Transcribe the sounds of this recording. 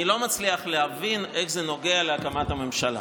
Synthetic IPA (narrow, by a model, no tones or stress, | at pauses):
ilo̞mat͡sliaχleɦavinʔe̞χze̞no̞ɡe̞aleakamathame̞mʃala̰